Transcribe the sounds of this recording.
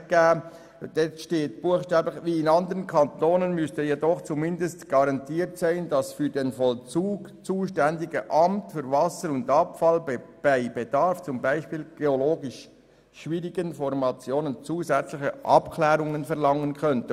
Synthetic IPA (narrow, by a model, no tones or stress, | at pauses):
ɡ̥ɛː | d̥ɛtʃteːtb̥uəχʃtɛːblɪxviːɪnɑndəʁənkʰɑntʰoːnənmʏstəjedɔχt͡sumɪndəstɡ̥ɑɾɑntʰiːɾtsaɪndɑsfyːɾdenfɔlt͡suːɡ̥t͡suːʃtɛndɪɡəʔɑmtfyːɾvɑsəɾʊndɑpfɑlb̥aɪbed̥ɑɾft͡sʊmbaɪʃpiːlɡ̥eoloːɡɪʃ | ʃviːʁɪɡənfɔɾmɑt͡sjoːnənt͡suːzɛt͡slɪçəʔɑ̰pkʰlɛːɾʊŋənfɛʁlɑŋənkʰœntə